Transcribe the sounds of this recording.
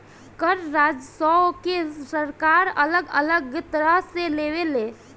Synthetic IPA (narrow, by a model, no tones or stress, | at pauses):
kəɾɾaːd͡ʒsɔkesəɾkaːɾɐləɡə̰ləɡət̪əɾəseleːʋeleː